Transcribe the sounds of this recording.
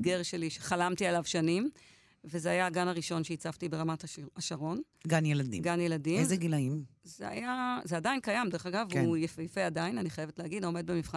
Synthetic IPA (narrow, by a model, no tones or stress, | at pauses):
ɡeʁʃeliʃeχalamtialavʃanim | vezeajaːɡanaʁiʃo̞nʃeit͡saftibe̞ʁamataʃaʁo̞n | ɡanjeladḭɡanjeladimezeɡilaimzea̰jazeadainkajamdeeχaɡavujefejfeadainaniχajevetlehaɡidome̞d̚bemifχa